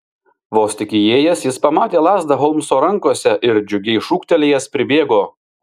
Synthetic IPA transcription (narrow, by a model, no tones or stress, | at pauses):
ʋoːsʲt̪ʲɪkʲɪjeːjɛsjɪspɐmɑːt̪ʲeːlˠɑːzd̪ɐɦɔlˠmsoːɾɐŋˑkoɔsʲɛʔɪɾd͡ʒʲʊɡʲɛɪʃuːkt̪ʲɛlʲejɛspʲɾʲɪbʲeːɡoː